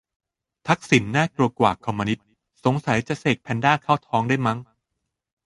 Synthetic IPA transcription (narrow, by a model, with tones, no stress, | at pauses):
t̪ʰa˦˥k̚si˩˦nːaː˥˩klu˧ɐkwa̰ː˨˩kʰɔ˧mːa˧ni˦˥t̪̚ | so˨˩˦ŋsa˩˦jt͡ɕa˧seː˨˩k̚pʰɛ˧ndaː˥˩kʰaː˥˩wt̪ʰɔː˦˥ŋdaː˥˩jma˦˥ŋ